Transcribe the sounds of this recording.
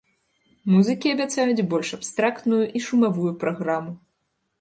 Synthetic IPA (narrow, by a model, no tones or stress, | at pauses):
muzɨkʲiɐbʲat̪sajud͡zʲbɔlʲʂapst̪ɾakt̪nujuʔiʂumavujupɾaɣɾamu